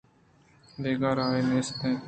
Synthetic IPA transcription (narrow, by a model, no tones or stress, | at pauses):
d̪eːɡaːɾaːenẽːst̪ẽː